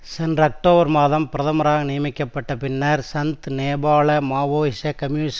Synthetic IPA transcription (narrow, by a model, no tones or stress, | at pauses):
sɛndrɐk̚ʈoːbɐɾmaːðɐmpɪɾɐðɐmɐɾaːɣɐnɪjɐmɪkːɐpːɐʈːɐpɪnːɐɾsɐnt̪neːbaːɭɐmaːʋoːɪsɐkɐmjuːnɪs